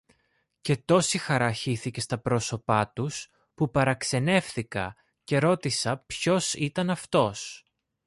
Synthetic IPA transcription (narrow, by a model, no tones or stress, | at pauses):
ce̞t̪o̞sixɐɾɐçiθice̞st̪ɐpɾo̞so̞pɐt̪us | pupɐɾɐkse̞ne̞fθikɐ̰ | ce̞ɾo̞t̪isɐpço̞sit̪ɐnɐft̪o̞s